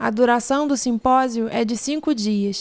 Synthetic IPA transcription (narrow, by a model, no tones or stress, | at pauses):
ɐd̪uɾasɐ̃w̃d̪ʊsĩmpɔzjʊʔɛd͡ʒɪsĩŋkʊd͡ʒiɐs